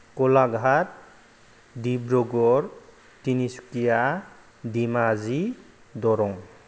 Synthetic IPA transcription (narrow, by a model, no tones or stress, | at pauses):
kɔlaɡʱat̚ | dibɾɔɡɔɾ | tinisu̥kija | dimazi | dɔɾɔŋ